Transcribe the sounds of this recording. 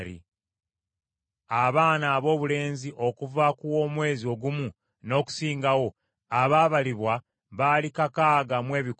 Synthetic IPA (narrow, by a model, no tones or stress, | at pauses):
ɾḭ | aβaːnaːβo̞ːβule̞ːnziʔo̞kuvakuwo̞mwe̞ːzio̞ɡumu | no̞ːku̥siːŋɡawo̞ | aβaːβaliβwa | βalikakaːɡamwe̞ːβik